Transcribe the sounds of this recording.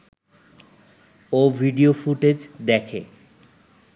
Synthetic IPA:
obʱiɖiofuʈed͡ʑd̪ɛkʰe

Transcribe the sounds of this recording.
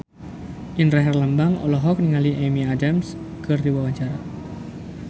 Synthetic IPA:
ʔinraɦɛrlambaŋɔ̰lɔɦɔk̚niŋaliʔemiadams | kɨrdiwawaɲt͡ʃaɾa

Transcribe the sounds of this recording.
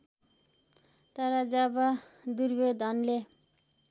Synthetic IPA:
t̪ʌɾʌd͡zʌbʌd̪urbed̪ʱʌnle

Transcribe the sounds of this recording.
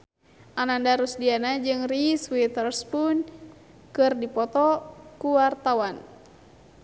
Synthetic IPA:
ʔanandaɾusdianad͡ʒɨŋriswit̪ɛrspun | kɨrdipɔt̪ɔkuwart̪awan

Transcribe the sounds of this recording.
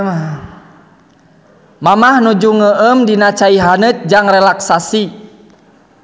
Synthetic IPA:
mamahnud͡ʒuŋəʔəmdinat͡ʃaiɦanət̪̚d͡ʒaŋrɛlaksasi

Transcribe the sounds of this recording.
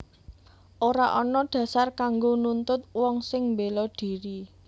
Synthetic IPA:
ʔoɾaʔɔnɔɖ̪̥ä̤sarkaŋɡonunt̪ʊt̪̚wɔŋsɪŋmbelɔɖ̥i̤ɾi

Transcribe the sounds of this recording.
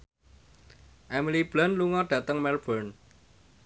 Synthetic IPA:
ʔɛmilib̥lanluŋɔɖ̥ä̤t̪əŋmɛlb̥ən

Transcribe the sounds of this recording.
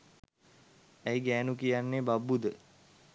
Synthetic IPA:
æjɡæːnukijanːebabːud̪ə

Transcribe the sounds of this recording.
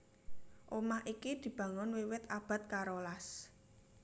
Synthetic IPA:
ʔomaʔikid̪̥i̤b̥ä̤ŋʊnwiwɪt̪ab̥a̤t̪̚kaɾolas

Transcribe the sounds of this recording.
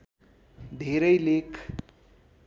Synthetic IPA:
d̪ʱeɾʌjlekʰ

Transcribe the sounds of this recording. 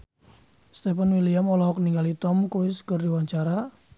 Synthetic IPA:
st̪ɛpfanwiliamɔlɔɦɔkniŋɡalit̪ɔmkɾuɪskərdiwaɲt͡ʃaɾa

